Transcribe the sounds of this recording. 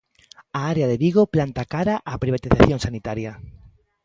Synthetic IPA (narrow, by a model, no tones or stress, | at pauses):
aaɾeaðeβiɣ̞oplant̪akaɾaʔapɾiβ̞at̪iθaθjoŋsanit̪aɾja